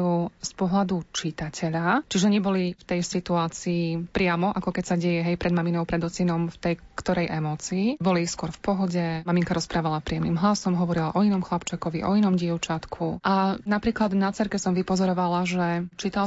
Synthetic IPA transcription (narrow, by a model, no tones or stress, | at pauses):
uspɔɦlad̪ut͡ʃit̪acʰɛʎat͡ʃiʒɛɲɛbɔlift̪ɛjsit̪uaːt͡siːpɾɪamɔʔakɔkɛcsaɟɛjɛɦɛjpɾɛd̪maminɔʊpɾɛd̪ɔt͡sinɔmft̪ɛjkt̪ɔɾɛjʔɛmɔːt͡siːbɔliskʊɔɾfpɔɦɔɟɛmamiŋkaɾɔspɾaːʋalapɾiːjɛmnimɦlasɔmɦɔʋɔɾilaʔɔinɔmxlapt͡ʃakɔʋiʔɔinɔmɟɪɛʊt͡ʃat̪kʰuʔanapɾiːklad̪nat͡sɛɾkɛsɔmʋipɔzɔɾɔʋalaʒɛt͡ʃit̪al